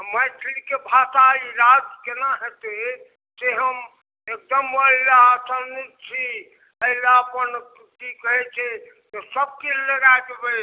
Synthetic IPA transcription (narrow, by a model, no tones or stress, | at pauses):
məjt̪ʰlikebʱasaiɾad͡ʒkenaɦet̪e | seɦəm | ek̚d̪əməɦlaːsənit͡ʃʰi | əɦilaəpən | t̪ikəɦɛt͡ʃʰɛ | t̪osəb̚keləɡajd̪ebɛ